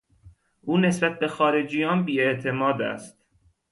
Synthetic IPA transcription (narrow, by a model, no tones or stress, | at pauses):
ʔuːne̞sbæt̪̚be̞xɒːɾe̞d͡ʒijɒːnbiːeʔt̪ʰemɒːd̪æ̰st̪̚